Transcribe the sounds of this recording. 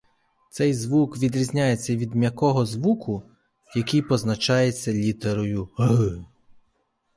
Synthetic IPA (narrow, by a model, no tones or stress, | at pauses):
t̪sɛjzʋukʋʲid̪ɾʲizʲnʲajet͡sʲːɐʋʲid̪mʲjɐkɔɦɔzʋukʰʊ | jɐkijpɔznɐt͡ʃɑjet͡sʲːɐlʲit̪eɾɔjʊɦɨ